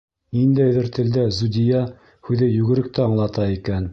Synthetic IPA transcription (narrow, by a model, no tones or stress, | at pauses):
nind̪æjðɘɾt̪ɘ̆ld̪æzud̪ʲijɑ | hʉðɘjʉɡɘ̆ɾɘ̆k̚t̪ʰæɑɴlˠɑt̪ɑikæn